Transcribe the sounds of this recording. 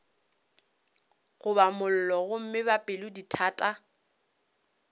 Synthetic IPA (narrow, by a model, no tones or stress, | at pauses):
ɣʊbamʊl̩lɔɣʊm̩mɪbapʼɪlʊditʰaːtʼa